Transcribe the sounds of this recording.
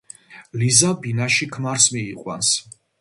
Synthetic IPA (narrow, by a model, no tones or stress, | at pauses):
lizabinaʃikʰmaɾsmiːqʼwa̰ns